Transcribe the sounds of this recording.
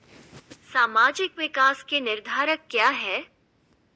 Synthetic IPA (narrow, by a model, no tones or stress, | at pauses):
saːmaːd͡ʒɪkʋɪkaːskenɪɾd̪ʱaːɾəkːjaːɦɛː